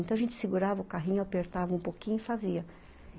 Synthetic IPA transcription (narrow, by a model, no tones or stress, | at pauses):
nt̪ɐ̃w̃aʒẽnt͡ʃɪ̥sɪɡuɾavɐʊkaɦĩɲʊapeɾt̪avɐũpokĩɲʊɪfaziɐ